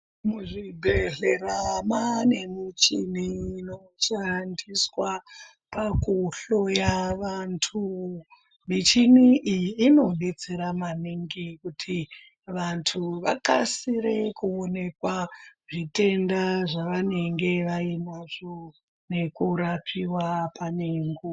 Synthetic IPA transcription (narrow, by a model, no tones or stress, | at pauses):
muʐibʱeɮeramane̞mit͡ʃiniːno | t͡ʃandiswa | pakuɬo̞jaʋantʰu | mit͡ʃiniʔijiːno̞ɗe̞t͡seɾamaniŋɡikutʰi | ʋantʰuʋakasiɾe̞kuone̞kwaʐite̞ndaʐaʋane̞ŋɡe̞ʋainwaʐo | ne̞kuɾapʰiwapʰaneŋɡu